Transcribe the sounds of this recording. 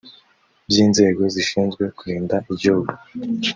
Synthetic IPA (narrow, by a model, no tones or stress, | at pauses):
bziːnze̞ːɡo̞ziʃiːnzɡwe̞kuɾiːndaʔibɟuuɡu